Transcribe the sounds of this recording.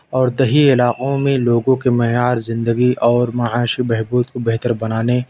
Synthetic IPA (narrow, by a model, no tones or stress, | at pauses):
ɔːɾd̪ɐɦiɪlaːqõmẽloːɡõkemɛɦjaːɾzɪ̃nd̪əɡiʔɔːɾmɐaːʃibɛɦbuːd̪̚kobeɦt̪əɾbɐnaːne